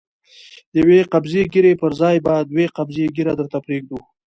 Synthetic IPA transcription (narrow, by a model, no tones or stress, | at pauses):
jaweqabzeɡɪɾepəɾzɑjbad̪weqabzeɡiɾad̪əɾt̪apɾeɡ̚d̪u